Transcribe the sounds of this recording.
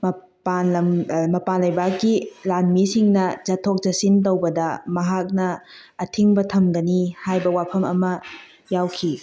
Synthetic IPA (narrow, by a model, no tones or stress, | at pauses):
mɐ | panɐmɐpanlɐjbakːilanmisiŋnɐd͡ʒɐtʰok̚d͡ʒɐsint̬owbɐdɐmɐɦak̚nɐː | tʰiŋbɐtʰɐmɡɐnihajbɐwapʰɐmɐ̰mɐ | jawkʰi